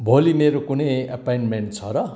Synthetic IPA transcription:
bʱolimeɾokunʌja̰pajnmeɳʈ̚t͡sʰʌɾʌ

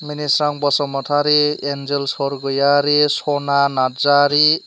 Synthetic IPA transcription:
minisɾaŋbɔsɔmɔtʰaɾeend͡ʒelsɔɾɡɔjaɾesonanad͡zaɾi

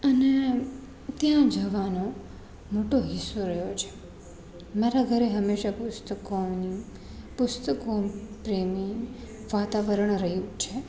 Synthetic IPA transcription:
əne | t̪jãd͡ʒəʋano | moʈoɦisuɾəɦjot͡ʃʰe̥ | maɾaɡʱəɾeɦəmːeʃapʊst̪əkoni | pʊst̪əkopɾemiŋ | ʋat̪aʋəɾəɳɾəɦjũt͡ʃʰe

